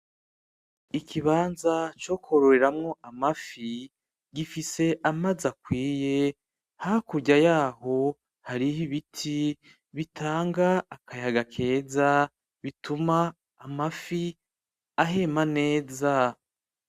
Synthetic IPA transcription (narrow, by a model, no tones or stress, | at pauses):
ikʰiβaːnzat͡ʃo̞ko̞ɾoɾeɾamŋo̞ʔamafi | ɡifise̞ʔamazakwiːje̞ | hahkuɟajaːho̞ | haɾihiβitʰi | βitʰaːŋɡaːkʰajaɡakʰe̞ːza | βitumaː | mafi | aɦeːmane̞ːza